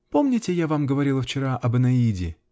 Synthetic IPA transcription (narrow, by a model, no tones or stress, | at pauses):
po̞mnʲɪtʲɪjavamɡəvɐɾʲilˠəft͡ɕɪɾaʔɐbənɐidʲɪ̰